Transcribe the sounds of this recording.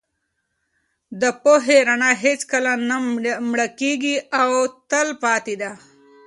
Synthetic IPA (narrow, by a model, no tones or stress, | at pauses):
d̪əpoɦeɾanaɦet͡skəlanamɽakeɡiawt̪əlpɑːt̪id̪a